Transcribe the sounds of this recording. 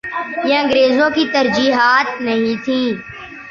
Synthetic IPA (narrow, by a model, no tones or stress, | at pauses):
jẽə̃ŋɡɾeːzõkit̪ɐɾd͡ʒiːɦaːt̪nɐɦĩt̪ʰĩː